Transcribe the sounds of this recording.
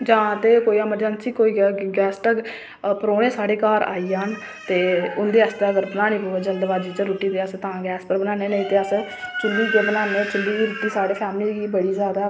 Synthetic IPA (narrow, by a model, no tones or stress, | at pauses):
d͡ʒãːt̪eːkoːiːəməɾd͡ʒənsiːkoːiːɡɡɛːsʈək | pəɾoːɽ̃eːsaːɽeːkaːɾa̰ːiːan | t̪eːʊnd̪eːst̪əəɡəɾbənaːñĩːpoːeːd͡ʒəld̪ʋaːd͡ʒiːt͡ʃəɾuːʈiːd̪eːəst̪ãːɡɛːspəɾbənãːneːnəĩːt̪eːəs | t͡ʃʊlːiːkeːbənaːneːt͡ʃʊlːiːɡiːɾuːʈiːsaːɽeːpʰɛːmliːɡiːbəɽiːzjaːd̪aː